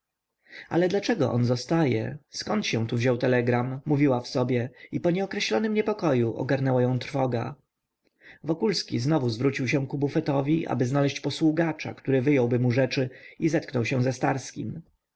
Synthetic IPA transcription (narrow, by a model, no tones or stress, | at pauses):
a̰lɛd̪lat͡ʂɛɡɔʔɔ̰nzɔst̪ajɛ̰skɔnt̪ɕɛ̃w̃t̪uvʑɔwt̪ɛlɛɡɾamːuvʲiwafsɔbʲjɛipɔɲɛɔkɾɛɕlɔnɘmɲɛpɔkɔjuʔɔ̰ɡaɾnɛwajɔ̃w̃t̪ɾfɔɡa̰ | vɔkulskʲiznɔvuzvɾut͡ɕiwɕɛ̃w̃kubufɛt̪ɔvʲiʔa̰bɘznalɛɕt͡ɕpɔswuɡat͡ʂa̰kt̪uɾɘvɘjɔwbɘmuʐɛt͡ʂɘizɛt̪knɔwɕɛ̃w̃zɛst̪aɾskʲḭm